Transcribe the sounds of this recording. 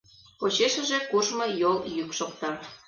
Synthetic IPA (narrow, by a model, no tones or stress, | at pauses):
pot͡ɕeʃə̆ʒekuʒmojoljykʃok̚t̪ɑ